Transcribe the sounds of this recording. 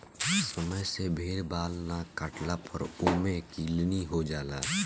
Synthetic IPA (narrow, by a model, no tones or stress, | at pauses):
səməjsebʱeːɾbaːlnakəʈlapʰə̰ɾʊmekiːlniɦod͡ʒaːlaː